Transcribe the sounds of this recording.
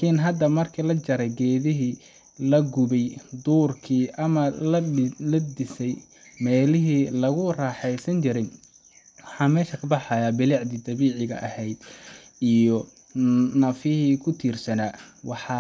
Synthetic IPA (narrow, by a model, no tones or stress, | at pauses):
kʰinɦɐd̪ɐmɐrkʰiːlɐt͡ʃɐɾɛjɡɛːðɪɦiː | lɐɡʊβɛjd̪uːrkʰiːʔɐmɐlɐlɐd̪ɪsɛj | mɛːlɪɦiːlɐɣʊraːħɛjsɐnt͡ʃɪɾɛj | wɑħɑːmɛːʃɐkʰɐbɑħɑjaːbɪliʕd̪iːd̪ɐβiːʕɪɣɐ̰ʔɐhɛjd̪ | ijɔ | nɐfɪhiːkʰʊt̪ʰiːrsɐnaːwɑħɑ